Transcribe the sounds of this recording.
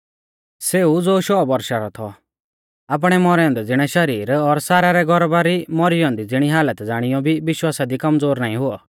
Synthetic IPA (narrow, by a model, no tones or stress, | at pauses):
seːud͡zoːʃɔːbɐɾʃaɾɔt̪ʰɔ | aːp̬ɽ̃ɛmɔɾɛɔ̃nd̪ɛd͡zɪɽ̃ɛʃɐɾiːɾɔɾsaːɾaɾɛɡʱɔɾbaɾimɔɾɪjɔ̃ːnd̪id͡zɪɽ̃iɦaːlət̪d͡zaːɽ̃ɪjɔbʱiʋɪʃwaːsad̪ikɐmd͡zoːɾnaːĩɦʊɔ